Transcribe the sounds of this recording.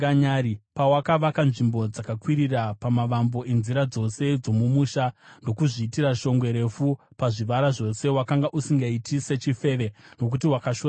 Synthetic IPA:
aɲaɾipawakaʋakanʐimbo̞d͡zakakwiɾirapamaʋambo̞ʔe̞nziɾad͡zo̞se̞d͡zo̞mumuːʃando̞kuʐiːtiɾaʃo̞ŋɡwe̞ɾe̞fu | paʐiʋaɾaʐo̞se̞wakaŋɡaʔusiŋɡaitise̞t͡ʃife̞ːʋe̞no̞k̬utiwakaʃo

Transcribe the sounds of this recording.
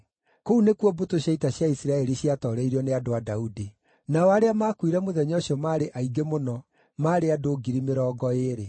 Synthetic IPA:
kounekwɔbotoɕjaitaɕjaisiɾaɛɾiɕiatɔɾɛiɾɔneadoadaudi | naɔaɾeamaːkwiɾɛmoðɛɲɔɕjɔmaːɾeʔaiɡemonɔ | maːɾeadoːɡiɾimeɾɔːɡɔeːɾe

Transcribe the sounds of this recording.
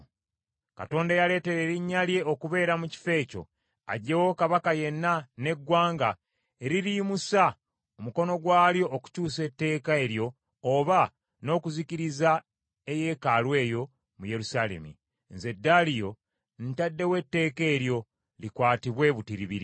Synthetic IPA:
ka̰to̞ːndajale̞ːte̞ɾeɾiɲːalje̞okuβe̞ːɾamuci̥fe̞ːco̞̰ | a̰ɟewo̞kaβakaje̞nːane̞ɡwaːŋɡa | eɾiɾimusa | omuko̞no̞ɡwaːljo̞ʔːku̥cuːse̞tːe̞ːkae̞ɾjo̞ː | βa | no̞ːkuziciɾiza | e̞je̞ːkalwe̞ːjo̞ | muje̞ɾusaːle̞̰mḭ | nze̞dːalijo̞ | n̩tadːe̞we̞tːe̞ːke̞ːɾjo̞ | likwaːtiβwe̞βutiɾiβiɾi

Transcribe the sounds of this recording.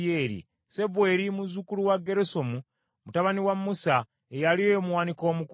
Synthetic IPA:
jeːɾḭ | se̞βwe̞ɾimuzukuluwaɡːe̞ɾeso̞mu | mutaβaniwamːusa | ejalijomwaːniko̞ːmuk

